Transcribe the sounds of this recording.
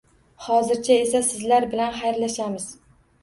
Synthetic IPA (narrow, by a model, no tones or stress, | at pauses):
hɒzɪɾt͡ʃʰae̞sasɪzlaɾbɪlanχajɾlaʃamɪz̥